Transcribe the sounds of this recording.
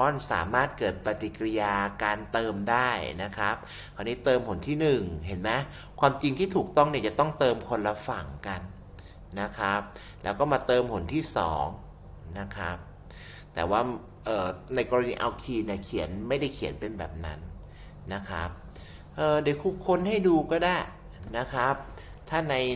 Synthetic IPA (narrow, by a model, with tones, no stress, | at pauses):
ɔː˦˥˨nsa̰ː˩˦maː˥˩t̪̚kɤː˨˩t̪̚pa˧t̪i˨˩kɾjaː˧kaː˧nt̪ɤː˧mdaː˥˩jna˦˥kʰa˦˥p̚ | kʰaː˧niː˦˥t̪ɤː˧mpʰo˩˦nt̪ʰiː˥˩nɯ˨˩ŋɦe˩˦nmɛ˦˥ | kʰwaː˧mt͡ɕi˧ŋt̪ʰiː˥˩t̪ʰuː˨˩k̚t̪ɔ˥˩ŋni˥˩t͡ɕa˨˩t̪ɔ˥˩ŋt̪ɤː˧mkʰo˧nla˧˥fa˨˩ŋka˧n | na˦˥kʰa˦˥p̚ | lɛː˦˥wkɔː˥˩maː˧t̪ɤː˧mpʰo˨˩˦nt̪ʰiː˥˩sɔ̰ː˩˦ŋ | na˦˥kʰa˦˥p̚ | t̪ɛ̰ː˨˩waː˥˩ | ʔɤː˨˩na˧jkɔː˧ɾa˧niː˧ʔa˧wkʰiː˧ni˥˩kʰi˩˦ənma˥˩jda˥˩jkʰi˨˩˦ənpe˧nbɛ̰ː˨˩p̚na˦˥nː | a˦˥kʰa̰˦˥p̚ | ʔɤː˨˧˩de˨˩˦kʰuː˧˩kʰo˧nha˥˩jduː˧kɔː˥˩daː˥˩j | na˦˥kʰɾa˦˥p̚ | t̪ʰaː˥˩na˧j